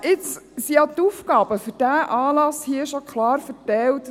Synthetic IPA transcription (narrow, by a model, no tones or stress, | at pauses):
ɪt͡ssiɑt̪ufkɑːb̥əfɵɾd̥æʔɑːlɑshiəʃɔkʰχlɑːɾfəɾtɛlt